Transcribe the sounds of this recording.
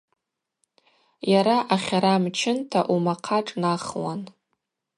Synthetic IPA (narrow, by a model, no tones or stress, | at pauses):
jaɾaʔaχʲaɾamt͡ʃʰɪntʰaʔumaqʰaʈ͡ʂʼnaχwan